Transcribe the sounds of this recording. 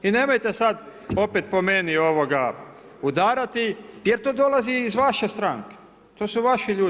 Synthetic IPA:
ine̞mo̞jt̪esad̪o̞pet̪po̞menio̞ʋoɡa | ud̪aːɾat̪ije̞ɾt̪o̞ːd̪o̞laziːzʋaʃe̞st̪ɾaŋke̥ | t̪o̞ːsuʋaʃiʎuː

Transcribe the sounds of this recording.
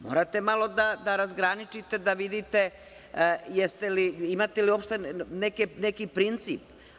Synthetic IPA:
mo̞̰ɾat̪e̞malˠo̞d̪ad̪aɾazɡɾanit͡ʃit̪e̞d̪aʋid̪it̪e̞ | jest̪eliimat̪elio̞pʃt̪enekenekipɾint̪siːp

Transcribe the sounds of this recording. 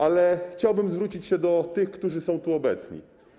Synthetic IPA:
ʔalɛxt͡ɕawbɘmzvɾut͡ɕit͡ɕɕɛd̪ɔt̪ɘxkt̪uʐɘsɔ̃w̃t̪uɔbɛt̪sɲḭ

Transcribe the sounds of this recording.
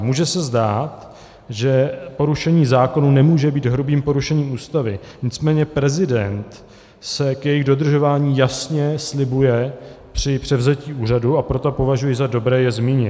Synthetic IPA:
muːʒɛsɛzdaːt̪ | ʒɛpo̞ɾuʃɛɲiːzaːko̞nunɛmuːʒɛbiːd̪ɦɾubiːmpo̞ɾuʃɛɲiːmuːst̪avɪɲɪt͡smɛːɲɛpɾɛzɪdɛnt̪ | sɛkjɛjɪɣdo̞d̪r̩ʒo̞vaːɲiːjasɲɛslɪbujɛ | pr̝̥ɪpr̝̥ɛvzɛciːʔuːr̝aduapɾo̞t̪o̞po̞vaʒujɪzado̞bɾɛːjɛzmiːɲɪt̪

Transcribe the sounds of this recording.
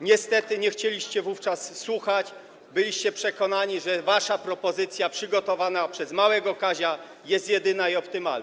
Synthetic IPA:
ɲɛst̪ɛt̪ɘɲɛxt͡ɕelʲiɕt͡ɕɛvuft͡ʂasːwuxat͡ɕ | bɘlʲiɕt͡ɕɛpʂɛkɔnaɲiʐɛvaʂapɾɔpɔzɘt̪sʲjapʂɘɡɔt̪ɔvanapʂɛzmawɛɡɔkaʑa | jɛst̪jɛd̪ɘnaiɔpt̪ɘmal

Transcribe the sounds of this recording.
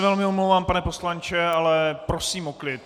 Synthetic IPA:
vɛlmɪomlowvaːmpanɛpo̞slant͡ʃɛalɛpɾosiːmoklɪt̪

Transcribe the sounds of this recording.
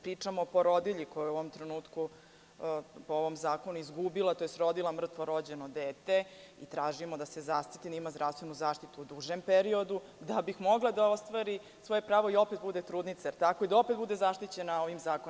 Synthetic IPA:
pɾiːt͡ʂamopo̞ɾo̞d̪iʎikojujeuoʋomt̪ɾenuːt̪ku | pooʋo̞mzaːko̞nuizɡubilˠat̪ojest̪ɾo̞d̪ilamr̩t̪ʋoɾo̞d͡ʑenod̪eːt̪e̞it̪ɾaːʒimo̞d̪ase̞zast̪i̥t̪id̪aimazd̪ɾafst̪ʋenuzaːʃt̪it̪uːd̪uʒempeɾio̞d̪u | d̪abixmo̞ɡlˠad̪ao̞st̪ʋaɾi | sʋoje̞pɾaːʋo̞io̞pet̪̚bud̪et̪ɾuːd̪nit̪sajeɾt̪ako̞id̪ao̞pet̪̚bud̪e̞zaʃt̪it͡ɕe̞nao̞ʋimzaːkon

